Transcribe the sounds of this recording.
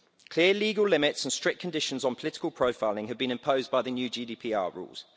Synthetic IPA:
kʰl̥ɪəliːɡəlɪmɪtsə̃nstɹ̥ɪkʰːə̃ndɪʃə̃nzn̩pʰəlɪtɪ̥kəlˠpʰɹ̥əʊfaɪlɪ̃ŋəvbĩñɪ̃mpʰəʊzbaɪðənjʉːd͡ʒiːdiːpʰiːɑ̰ːɹṵːlˠz̥

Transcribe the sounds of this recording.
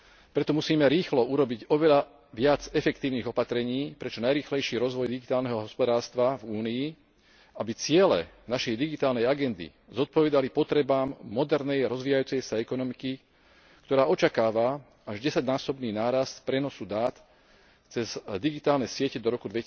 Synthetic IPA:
pɾɛt̪ɔmusiːmɛɾiːxlɔuɾɔbiɟɔʋɛʎa | ʋɪad͡zɛfɛkt̪iːʊniːɣɔpat̪ɾɛɲiːpɾɛt͡ʃɔnajɾiːxlɛjʃiːɾɔzʋɔjd̪iɡit̪aːlnɛɦɔɦɔspɔd̪aːɾst̪ʋavuːnii | abit͡sɪɛlɛ̰ | naʃɛjd̪iɡit̪aːlnɛjaɡɛnd̪ḭ | zɔt̪̚pɔʋɛd̪alipɔt̪ɾɛbaːmːɔd̪ɛɾnɛjaɾɔzʋiːjajuːt͡sɛjsaɛkɔnɔmiki | kt̪ɔɾaːɔt͡ʃakaːʋa | aʒɟɛsaɟnaːsɔbniːnaːɾast̪pɾɛnɔsud̪aːt̪ | t͡sɛzd̪iɡit̪aːlnɛsɪɛcɛd̪ɔɾɔkud̪ʋɛc

